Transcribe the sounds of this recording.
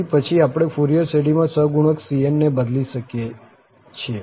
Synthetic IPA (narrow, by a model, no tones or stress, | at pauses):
ipət͡ʃʰiapɽ̃efuɾijəɾseɽimãsəɦɡuɽ̃əksienːebəd̪liʃəke | t͡ʃʰe